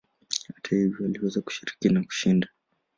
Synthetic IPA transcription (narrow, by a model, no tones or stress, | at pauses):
hatʰahivjɔwaliwɛzaku̥ʃiɾikinaku̥ʃinda